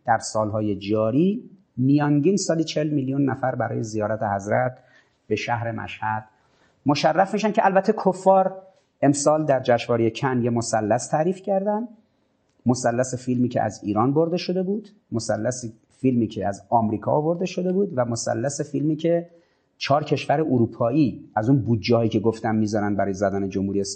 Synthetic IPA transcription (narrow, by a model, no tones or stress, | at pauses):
d̪̥æɾsɒːlɦɒːje̞d͡ʒɒːɾiː | mijɒŋɟiːnsɒːliːt͡ʃʰelmiljunːæfæɾbæɾɒ̰ːje̞zijɒːɾæt̪ʰe̞hæzɾæt̪̚ | b̥e̞ʃæhɾe̞mʔæ̰ʃhæd̪̥ | moʃærːæfmiːʃænkʰeʔælbæt̪ʰːekʰofːɒːɾ | e̞msɒːld̪æɾd͡ʒæʃvɒːɾejecʰænjemosælːæst̪ʰæɾiːfcʰæɾd̪ænd̪ | mosælːæsefilmiːcʰḛʔæ̰ziːɾɒːnbo̞ɾd̪e̞ʃo̞d̪e̞buːd̪̥ | mosælːæsi | filmiːcʰeæzɒːmɾiːkʰɒ̰ovo̞ɾd̪eʃo̞d̪e̞buːd̪væmosæ̰lːæsefilmiːcʰe̞ | t͡ʃʰɒːɾcʰe̞ʃvæɾeʔoɾuːpʰɒːiːæzunbuːd̪̚d͡ʒɛːɒiːcʰe̞ɡoft̪æmːiːzɒɾæn̚bæɾɒːjezæd̪æːne̞d͡ʒomhuɾies